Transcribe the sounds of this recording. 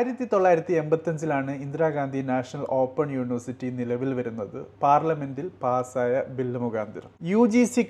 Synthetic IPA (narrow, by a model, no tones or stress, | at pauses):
iɾɐt̪ːit̪o̞ɭːaːjiɾɐt̪ːie̞mbɐt̪ːɐɲd͡ʑilaːɳɨind̪ɾaːɡaːnd̪ʱinaːʂɐnɐlo̞ːpːɐɳjuːɳiʋɐrsitːinilɐʋilʋɐɾunːɐðɨpaːrlɐme̞ndilpaːsaːjɐbilːɐmuɡaːnd̪iɾɐmjuːd͡ʑisi